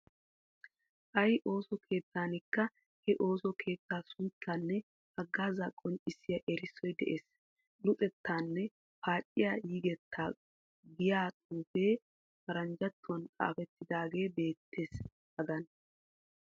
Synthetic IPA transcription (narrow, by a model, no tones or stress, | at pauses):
ʔɐjʔo̞ːsɔkʰe̞ːt̪ːaːnɪkːɐ | hɛʔo̞ːsɔkʰe̞ːt̪ːaːsʊnt͡sːaːnːɛ | hɐɡːaːzakʼːɔnɪsːɪjɐʔɛɾɪsːɔjd̪ɛ̰ʔeːs | lʊt͡sʼɛt̪ːaːnːɛ | paːt͡ʃʼːɪjaːjiːɡɛt̪ʰːaː | ɡɪjaːtʼuːfe̞ː | fɐɾɐnd͡ʒɐt̪ːʊwɐnkʼa̰ːfɛt̪ːɪd̪aːɡe̞ːbe̞ːt̪ʰːe̞ːs | hɐɡɐn